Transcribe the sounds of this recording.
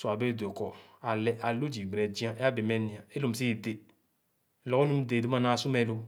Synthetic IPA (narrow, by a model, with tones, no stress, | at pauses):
su˨a˨be˦˨do˨kɔ˨a˨lɛ˦ʔa˨lo˦d͡ʒi˨ɡ͡bɛ˨d͡ʒi˦ã˦ʔa˦be˨mɛ˦nĩ˨ã˨e˦lo˦˨m̩˨s̬i˦i˨de˨ | lɔ˨o˦nũ˦m˦de˨do˦mã˦˨nã˦˨su˦mɛ̃˨˦lo˧˦